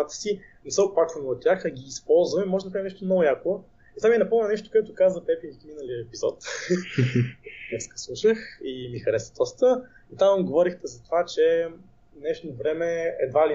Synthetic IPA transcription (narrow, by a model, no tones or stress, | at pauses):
at̪ə̥si | nɛsəopakvənːt̪̚t̪ʲːaxɐɡʲiːspɔlˠzvɐmimɔʒɛd̪ɐpɾavinɛʃt̪omnɔɡʊjako | it̪amiɛnɐpɔmnɐnɛʃt̪o̥koɛt̪ʊkazvət̪ɛpiminəliəɛpizɔ̰t̪ | nɛskə̥slˠuʃəximixɐɾɛsəd̪ɔst̪ə | it̪amɡovɔɾixt̪ɛzɐt̪ovat͡ʃɛ | nɛʃnovɾɛmɛɛ̰d̪vali